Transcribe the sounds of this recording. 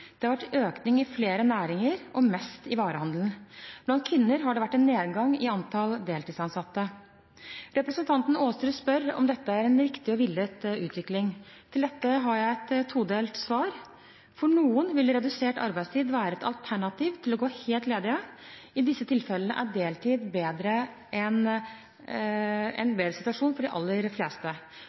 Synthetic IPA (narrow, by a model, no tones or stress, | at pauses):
d̪̥ɛhɑɾʋæʈːøːknɪŋɪfleːɾənæːɾɪŋəɾɔmɛst̪ɪʋɑːɾəhɑnd̪ln̩b̥lɑnt̪̚kʰʋɪnːəɾɦɑɖɛʋæʈːɛnːeːd̪ɡɑŋːɪɑnt̪ʰɑld̪eːlt̪iːsɑnsɑt̪ːə | ɾɛpɾəsənt̪ʰɑnt̪n̩oːst̪ɾʉːspœɾɔ̰md̪ɛt̪ːəæɾɛnɾɪkt̪ɪɔʋɪlːət̪ʉːt̪ʋɪklɪŋt̪ʰɪld̪ɛt̪ːəɦɑɾjæɪɛt̪t̪ʰːuːd̪eːlt̪sʋɑːɾ | fɔɳuːənʋɪlɾɛd̪ʉseːʈɑ̰ɾbæɪst̪ʰiːd̪ʋæːɾəɛt̪ɑ̰lt̪ʰæɳɑt̪iːʋt̪ʰɪlɔɡoːheːlt̪leːd̪ɪəɪd̪ɪsːət̪ʰɪlfɛlənəʔæɖeːlt̪ʰiːd̪beːd̪ɾə | ʔɛn | ɛ̰nbeːd̪ɾəsɪt̪ʉɑʂuːnfɔɖɪʔɑ̰lːəɾfleːst̪ə